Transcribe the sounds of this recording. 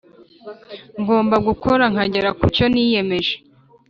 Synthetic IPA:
ŋɡo̞ːmbaɡukʰoɾaŋ̥aɟeɾakuco̞niːje̞me̞ʒe̥

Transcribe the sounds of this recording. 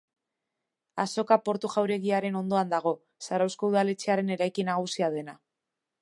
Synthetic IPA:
aso̞kapo̞ɾt̪uʝawɾe̞ɣiaɾe̞no̞nd̪o̞and̪aɣ̞o̞ | saɾawsko̞uðale̞t͡se̞aɾe̞ne̞ɾajkinaɣ̞usiað̞e̞na

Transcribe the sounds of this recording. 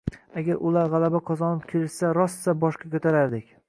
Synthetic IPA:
aɡʲaɾʔʊlaɾʁalˠabaqʰɒzɒnɪp̚kʲʰeɾɪʃsaɾɒssabɒʃqʰɑkʲʰɵt̪ʰaɾaɾd̪ɪkʲ

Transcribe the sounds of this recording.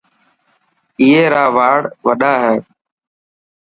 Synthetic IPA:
iːɦeːɾaːʋaːɽʋəɗaːɦɛ̃ː

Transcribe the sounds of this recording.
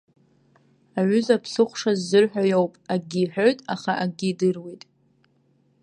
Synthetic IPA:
aʕʷʏzapʰsɨχʷʂazːɨrħᶣajowpʼaɡʲiːħᶣoɥtʼaχaʔaɡʲidɨrwitʼ

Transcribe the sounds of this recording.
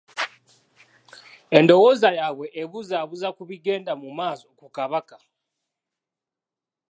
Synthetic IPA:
e̞ndo̞woːzajaβwe̞ʔːβuzaːβuzakuβiɡe̞ːndamumaːso̞kukaβaka

